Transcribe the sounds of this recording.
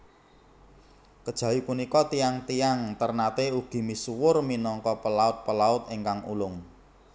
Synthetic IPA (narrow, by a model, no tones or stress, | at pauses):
kəd̥ʒ̥ä̤wipunikɔt̪iaŋt̪ijaŋt̪ərnat̪euɡ̥i̤misuwʊrminɔŋkɔpəlaʊt̪̚pəlaʊt̪eŋkaŋṵlʊŋ